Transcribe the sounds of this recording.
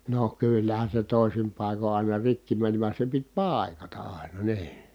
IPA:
no kylːæhæn̞ se toˑisim pɑˑiko ɑˑi̯nɑ rikːi mænĭ ʋɑn̞ se pit pɑˑi̯kɑtɑ ʔɑˑi̯nɑ niː

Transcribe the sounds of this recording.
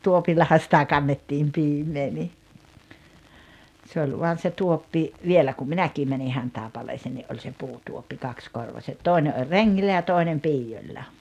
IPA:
tuopilːɑhɑ sitæ kɑnːetːiːm piːmˑeː ni se olʲ ʋuɑn se tuopːi ʋielæ kum minækiː mæni hɑntɑˑepɑleːseːn niʔ ʔolʲ se puːtuopːi kɑkskorʋɑset toˑi̞ne ʔolʲ reŋːilːæ jɑ toinem piːjolʲːɑ

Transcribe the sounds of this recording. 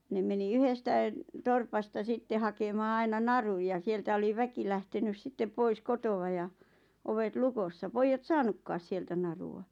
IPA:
ne meni yhestæĭn̆ torpɑstɑ sitːe hɑkemɑː ɑinɑ nɑruj jɑ sieltæ oli ʋæki læhtenys sitːe pois kotowɑ jɑ oʋet lukosːɑ poijːɑt sɑːnukːɑːs sieltæ nɑruɑ

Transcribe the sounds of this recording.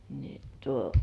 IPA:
ni tuo

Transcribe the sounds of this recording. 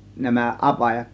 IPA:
næmæ ʔɑpɑjɑt

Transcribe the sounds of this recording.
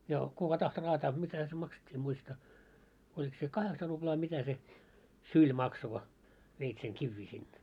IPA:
jɑ kukɑ tɑhto rɑːtɑː mitæh̆æ̆ se mɑksetʲːiː em muistɑ olʲik se kɑheksɑ rub̥lɑː mitæ se sylʲ mɑkso ko ʋeit seŋ kiʋːiː sinːe

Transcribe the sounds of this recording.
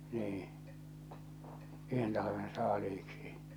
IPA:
niː yhen tɑlɑʋen sɑːliːksi

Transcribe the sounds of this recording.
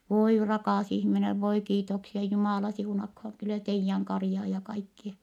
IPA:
ʋoi rɑkɑˑs ihmineʋ ʋoi kiːtoksiɑ jumɑˑlɑ siunɑkhoŋ kylæ teijːæŋ kɑrĭjɑː jɑ kɑikːie

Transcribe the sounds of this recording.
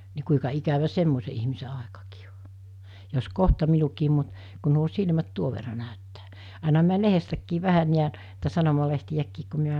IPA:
ni kuikɑ ikæʋæ semːose ihmise ɑˑekɑkiː o jos kohtɑ minukiːm mut kun̆ nuo silmæt tuoʋ ʋerːɑ næˑøtːæː ɑˑinɑ mi̞æ lehestækːiːʋ̆ ʋæhæn niæn tɑ sɑnomɑlehtij̆ækːiːk ku mi̞æ

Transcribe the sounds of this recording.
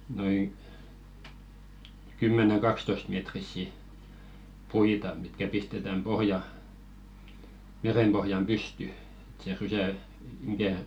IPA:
noiŋ kymːeneŋ ɡ̊ɑkstoĭstmetrisːi puitɑ mitkæ pistetæm pohjɑ merempohjɑm pysty e̥t se rysæˑ mikæˑ

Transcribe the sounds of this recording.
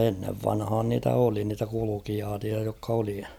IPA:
enːeʋ ʋɑnhɑːn niːtæ oli niːtæ kulukijɑːtʲiɑ jokː oli

